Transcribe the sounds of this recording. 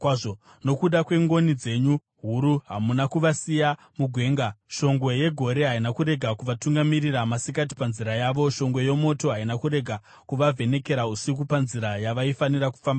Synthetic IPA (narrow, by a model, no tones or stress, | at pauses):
kwaʐo | no̞kuɗakwe̞ŋɡo̞nid͡ze̞ɲu | ɦuɾuɦamunakuʋasija | muɡʱwe̞ːŋɡaʃo̞ŋɡwe̞je̞ɡʱo̞ɾe̞ɦainakuɾe̞ɡʱakuʋatuŋɡamiriramasikat̬i̥panziɾajaːʋo̞ʃo̞ŋɡwe̞je̞mo̞to̞ɦainakuɾe̞ɡʱa | kuʋavʱe̞ne̞ke̞ɾausik̬upanziɾajaʋaifaniɾaku̥famba